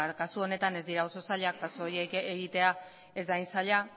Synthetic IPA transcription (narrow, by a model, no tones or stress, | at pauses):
kasuo̞ne̞t̪ane̞zd̪iɾao̞so̞saʎakkasojeeɣit̪e̞a | e̞zd̪ajnsaʎa